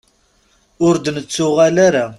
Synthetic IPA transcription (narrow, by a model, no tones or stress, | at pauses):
ʊɾd̪nət͡sːʊʁalaɾa